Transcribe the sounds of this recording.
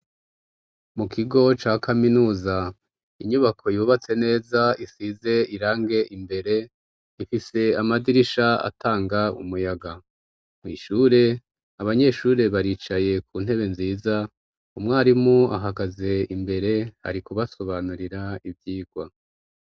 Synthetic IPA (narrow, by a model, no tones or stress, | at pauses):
mukʰiɡo̞t͡ʃaːkʰaminuːza | iɲuβakʰo̞juːβat͡se̞ne̞ːzaisize̞iɾaːŋɡe̞ʔimbe̞ɾe̞ | ifise̞amadiɾiʃaa̰taːŋɡaṵmujaɡa | mŋiːʃuːɾe̞ | aβaɲe̞ʃuːɾe̞βaɾiːt͡ʃaje̞kʰuːn̥he̞βe̞nziːza | umŋaːɾimua̰ɦaɡaze̞imbe̞ɾe̞ha̰ɾikuβaso̞βanuɾiɾaivjiːɡ̥wa